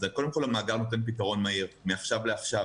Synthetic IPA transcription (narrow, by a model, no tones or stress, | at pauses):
zekod̪emko̞lamaːɡaʁno̞t̪̬e̞np̬it̪̬aʁo̞nmaiʁmeaχʃavleaχʃav